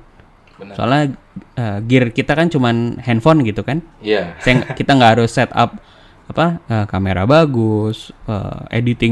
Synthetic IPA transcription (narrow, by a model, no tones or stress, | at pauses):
soa̰la | əɡɪrkit̪akant͡ʃumanhɛnfɔnɡit̪ukanjsakit̪aŋɡaɦaɾʊsːɛt̪a̰p̚ | apaəkameɾa̰baɡʊsə̰ḛdit̪ɪ